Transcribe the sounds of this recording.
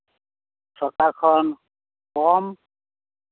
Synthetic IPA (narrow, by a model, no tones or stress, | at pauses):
sʰɔkakʰɔn | kɔm